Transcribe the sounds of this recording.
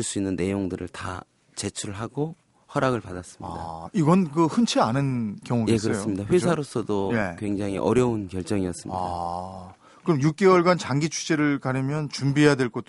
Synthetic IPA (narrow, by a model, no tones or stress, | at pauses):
ɭs͈uinːɯnːe̞joŋdɯɾɯ̰ɭta̰ | t͡ɕe̞t͡ɕʰuɭɦaɡo | hʌɾaɡɯɭpadas͈ɯ̥maḭdaiɡʌnkɯhɯnt͡ɕʰeanɯnkjʌŋuɡjeskɯɾʌjos͈ɯmɲidaɸwesʰaɾosʰʌdoje̞kweŋd͡ʑaŋḭʔʌ̰ɾjʌunkjʌɭt͡ɕ͈ʌŋiʌs͈ɯmɲa̰ida | kɯɾʌmjuk̚k͈e̞wʌɭɡwant͡ɕaŋɡit͡ɕʰu̥t͡ɕ͈eɾɯɭkaɾʌmjʌnt͡ɕumbijadwe̞ɭk͈ot